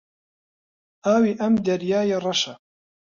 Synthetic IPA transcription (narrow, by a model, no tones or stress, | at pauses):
ʔaːwiːʔɐmd̪ɐɾjaːjerˤɑʃa